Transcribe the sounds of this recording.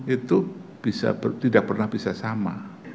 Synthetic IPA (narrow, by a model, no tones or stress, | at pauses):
it̪ub̥isa̰pət̪idak̚pərnahbisasama̰